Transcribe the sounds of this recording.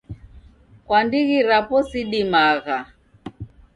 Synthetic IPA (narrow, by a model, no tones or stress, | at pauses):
kwandiɣiɾapɔsiɗimaɣa